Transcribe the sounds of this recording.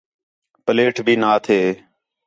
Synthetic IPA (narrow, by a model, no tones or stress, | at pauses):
pəleːʈʰbʱiːnaːt̪ʰeː